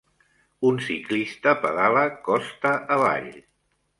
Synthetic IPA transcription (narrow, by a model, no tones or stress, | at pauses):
unsiklist̪əpəðaləkɔst̪əʔəβa̰ʎ